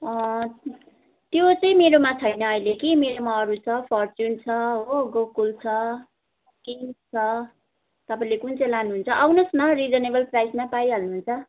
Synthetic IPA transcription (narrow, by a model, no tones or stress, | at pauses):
ʌ | t̪jot͡sʌĩmeɾomat͡sʰʌjnʌːilekimeɾomaʌɾut͡sʰʌpʰʌrt͡sunt͡sʰʌɦoɡokult͡sʰʌ | kimst͡sʰʌ | t̪ʌpaĩlekunt͡sʌjlanuɦunt͡sʰʌʔawnʌsmʌrid͡zʌnebʌlprajsmapajɦʌlnuɦunt͡sʰʌ